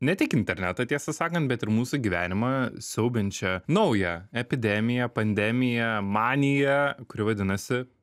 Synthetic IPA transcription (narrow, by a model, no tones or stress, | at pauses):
nʲɛt̪ʲɪkɪnʲt̪ʲɛɾʲnʲæt̪ot̪ʲiɛsɐsɑːkɐnt̪̚bʲɛt̪ɪɾmuːsuɡʲiʋʲæːnʲɪmɑsʲɛʊbʲɪnʲt͡ʃʲɛnɐʊjɛɛpʲɪd̪ʲɛmʲɪjɛpɐnʲd̪ʲɛmʲɪjɛmɑːnʲɪjɛkʊɾʲɪʋɐd̪ʲɪnɐsʲɪ